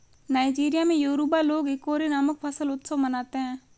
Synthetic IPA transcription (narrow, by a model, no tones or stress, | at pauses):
naːid͡ʒiːɾijamẽjoːɾubaloːɡɪkoːɾinaːmək̚pʰəsəlʊt̪səʋmənaːt̪eɦɛ̃ː